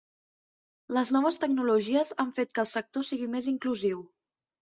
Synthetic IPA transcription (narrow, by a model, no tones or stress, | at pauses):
ləznɔβ̞əst̪əɡ̚nuluʒiəzaɱfet̪̚kəlˠsək̚t̪osiɣimeziŋkluziw